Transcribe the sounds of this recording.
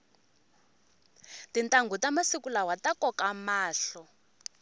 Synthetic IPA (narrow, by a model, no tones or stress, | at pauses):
tintʼaŋɡutamasikulawatakɔkamaːɬɔ